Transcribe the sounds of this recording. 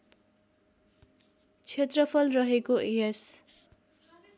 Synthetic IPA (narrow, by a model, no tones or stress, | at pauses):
t͡sʰet̪rʌpʰʌlrʌɦekoʔees